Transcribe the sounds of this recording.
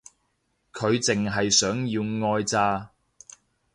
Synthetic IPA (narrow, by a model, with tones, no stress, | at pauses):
kʰɵ˨˧ɥt͡sɪ˨ŋɦɐ˨jsœː˨˥ŋjiː˧wŋɔː˧jt͡saː˧